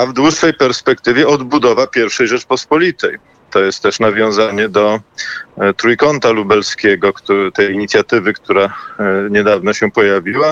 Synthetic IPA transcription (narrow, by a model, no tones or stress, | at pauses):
avd̪wuʂfɛjpɛɾspɛkt̪ɘvʲjɛɔd̪bud̪ɔvapʲjɛɾfʂɛjʐɛt͡ʂpɔspɔlʲit̪ɛj | t̪ɔjɛst̪ːɛʂnavʲjɔ̃w̃zaɲɛd̪ɔ | t̪ɾujkɔnt̪alubɛlskʲɛɡɔkt̪ut̪ɛjiɲit̪sʲjat̪ɘvɘkt̪uɾaɲɛd̪avnɔɕɛpɔjavʲiwa